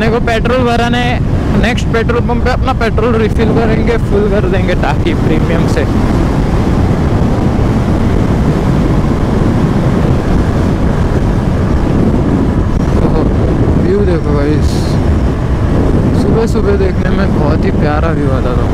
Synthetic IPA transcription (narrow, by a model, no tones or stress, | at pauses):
nekopeːʈɾoːlʋəɾaːne | neːksʈ̚peːʈɾolbɐ̃mpeɐpnapeːʈɾoːlɾifʰɪlkɐɾẽːŋɡefʰʊlkɐɾd̪ẽːŋɡeʈaːkipɾiːmijəmse | t̪oɦ | biwd̪eːkʰobaɪs | sʊbesʊbed̪eːkʰnemẽbɔːɔt̪ɦipjaːɾabʱiʋaːd̪at̪ã